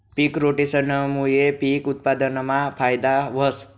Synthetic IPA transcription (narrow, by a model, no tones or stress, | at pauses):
pikɾoʈisənəmujepikut̪̚pad̪ənəmapʰajd̪aʋəs